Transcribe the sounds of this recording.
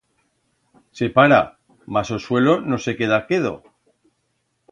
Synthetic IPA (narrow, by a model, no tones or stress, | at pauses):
se̞paɾa | masoswe̞lo̞no̞se̞ke̞ðakeðo̰